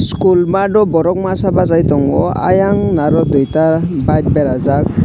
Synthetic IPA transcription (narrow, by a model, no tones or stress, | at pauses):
skulmadɔbɔɾɔk̚masabazajtɔŋɔa̰jaŋnaɾɔd̪ɔjtabajt̚bɛɾazak̚